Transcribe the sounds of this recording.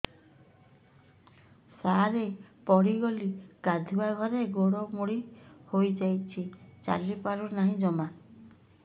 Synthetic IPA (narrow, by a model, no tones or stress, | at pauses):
saɾepɔɽiɡɔliɡad̪ʱuaɡʱɔɾeɡoɽɔmoɽihojd͡ʒajt͡ʃʰit͡ʃa̰lipaɾunaɦĩd͡ʒɔma